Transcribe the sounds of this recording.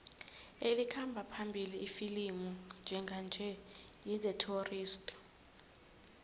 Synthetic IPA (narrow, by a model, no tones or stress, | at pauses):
elikʰambʱapʰambʱiliːfilimund͡ʒʱɛŋɡʱand͡ʒʱɛ | jizɛtʰoriːstʼ